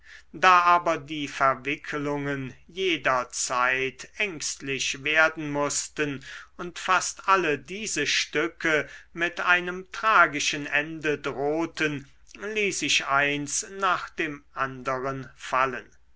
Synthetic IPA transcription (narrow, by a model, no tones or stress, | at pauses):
daːʔaːbɐdiːfɛɐvɪkʰəlʊŋən | jeːdɐt͡saɪtʰɛŋkstlɪʃveːɐdn̩mʊstənʊntfastʔalədiːzəʃtʏkʰəmɪtaɪnəmtʁ̥aːɡɪʃənɛndədʁoːtən | liːsɪʃaɪnsnaːχd̥eːmʔandəʁənfalən